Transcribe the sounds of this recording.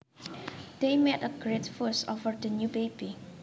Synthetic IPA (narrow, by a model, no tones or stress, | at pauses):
d̥emɛtəɡɹetfusovəɹdənjubebi